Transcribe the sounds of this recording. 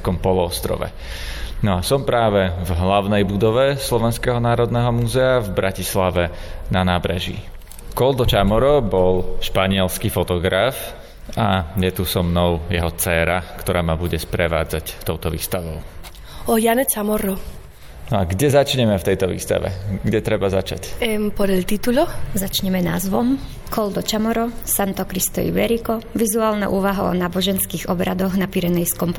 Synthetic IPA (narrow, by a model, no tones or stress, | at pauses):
kɔmpɔlɔɔst̪ɾɔ̰ʋɛ̰ | nɔasɔmpɾaːʋɛvɦlaʊnɛjbud̪ɔʋɛslɔʋɛnskɛɦɔnaːɾɔd̪nɛɦɔmuːzɛavbɾʔacislaʋɛnanaːbɾɛʒḭ | kɔld̪ɔt͡ʃamɔɾɔbɔlʃpaɲɪɛlskifɔt̪ɔɡɾaf | ajɛt̪usɔmnɔʊjɛɦɔt͡sɛːɾakt̪ɔɾaːmabuɟɛspɾɛʋa̰ːd͡zact̪ɔʊt̪ɔʋḭːst̪aʋɔʊ | ɔjanɛt͡samɔɾɔ | nɔaɡɟɛzat͡ʃɲɛmɛft̪ɛjt̪ɔʋḭːst̪a̰ʋɛ̰ɡɟɛt̪ɾɛbazat͡ʃa̰cmpɔd̪alt̪it̪ulɔzat͡ʃɲɛmɛna̰ːzʋɔm | kɔld̪ɔt͡ʃamɔɾɔsant̪ɔkɾist̪ɔ̰ḭʋɛɾikɔʋizuaːlna̰ʔuːʋaɦa̰ɔ̰naːbɔʒɛnskiːɣɔbɾʔad̪ɔɣnapiɾɛnɛjskɔmp